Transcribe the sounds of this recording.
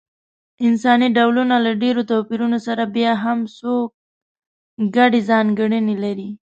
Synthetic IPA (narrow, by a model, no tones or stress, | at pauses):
ɪnsɑniɖawlunalaɖeɾot̪awpiɾunosaɾabjɑɦamsok̚ | ɡaɖezɑŋɡəɳənelaɾi